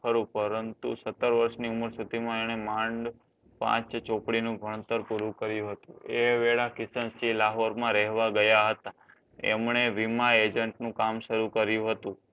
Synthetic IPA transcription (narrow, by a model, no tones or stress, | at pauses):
əɾũpəɾənt̪ṵsət̪ːəɾʋəɾʃniuməɾsut̪imãeɽ̃emãɳɖ | pã̰t͡ʃt͡ʃopɽinũbʱəɽ̃ət̪əɾpuɾũkəɾjũɦət̪ṵ̃eʋeɭakɪsənsilaɦoɾmãɾɛɦʋaɡəjaɦət̪a | ɛ̰mɳeʋimaed͡ʒəɳʈnũkamʃəɾukəɾjũɦət̪ũ